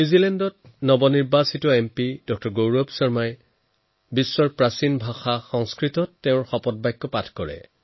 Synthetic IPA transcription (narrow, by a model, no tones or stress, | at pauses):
nuzilɛndɔt̚nɔbɔniɹbasitɔɛmpidɔk̚tɔɹɡowɹɔbsɔɹmaj | bisːɔɹpɹasinbʱaxaxɔŋskɹitɔtːeʊ̃ɹxɔpɔt̚bajkːɔpatʰkɔɹɛ̰